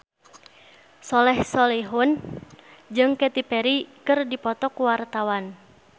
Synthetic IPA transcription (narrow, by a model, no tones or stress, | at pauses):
sɔlɛhsɔliɦʊn | d͡ʒɨŋkɛt̪ipɛɾikɨrdipɔt̪ɔkuwart̪awan